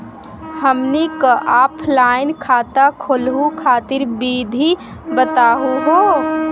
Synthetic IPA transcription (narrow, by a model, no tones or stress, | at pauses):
həmnikəʔaːpʰlaːɪnkʰaːt̪akʰolɦukʰaːt̪ɪɾbiːd̪ʱi | bət̪aːɦuɦo